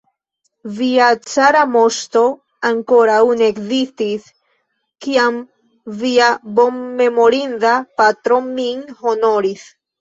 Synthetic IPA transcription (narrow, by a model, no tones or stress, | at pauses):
viat͡saɾamo̞st̪o̞ | aŋko̞ɾauneekzist̪is | kiam | viabo̞mːe̞mo̞ɾindapat̪ɾo̞miŋhono̞ɾis